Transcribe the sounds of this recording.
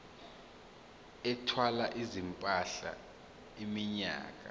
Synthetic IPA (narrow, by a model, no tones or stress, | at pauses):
ɛtʰwalaʔizimpʼaɬa̰ | imiɲa̰ːk̬ʼa̰